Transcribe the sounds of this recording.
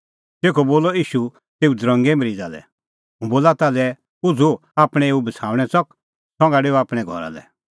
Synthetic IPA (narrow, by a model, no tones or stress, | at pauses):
teːkʰɔboːlɔiːʃu | t̪eːud̪ɾɔ̃ŋɡɛməɾiːd͡zalɛ̰ | ɦũboːlat̪alɛ | ʊd͡zuaːpɽ̃ɛ̃eːubɐt͡sʰaːʋɽ̃ɛsɔk | sɔ̃ŋɡaɖeːɔaːpɽ̃ɛɡʱɔ̰ɾa̰lɛ̰